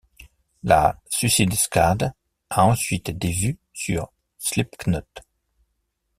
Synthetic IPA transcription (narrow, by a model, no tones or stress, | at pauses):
la̰sysid̪skad̪ | aɑ̃sɥit̪d̪evy | syʁ | slipknɔt̪